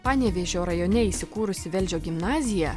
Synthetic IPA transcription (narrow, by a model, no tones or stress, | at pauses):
pɑːnʲɛːʋʲeʒʲoːɾɐjoːnʲɛiːsʲɪkuːɾʊsʲɪʋʲɛlʲd͡ʒʲoːɡʲɪmnɑːzʲɪjɛ